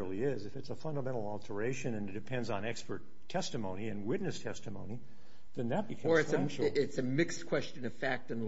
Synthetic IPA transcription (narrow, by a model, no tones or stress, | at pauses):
l̩ˠiɪzɨfɨtsəfʌ̃ndəmɛ̃ɾ̃l̩ˠɔlˠtʰə˞eɪʃɨ̃nɨ̃nɨt̚d̥ɨpʰɛ̃ndzn̩ɛkspə˞tʰɛstɨmõʊniɨ̃nwɪtⁿnɨstʰɛstɨmõ̰ʊ̃ni | ðɨ̃nðɨt̚b̥ɨkʰʌ̃˞ɨsʃɪtsɨmɪkskʰw̥ɛst͡ʃɨ̃nʌv̥fæk̚tɨ̃n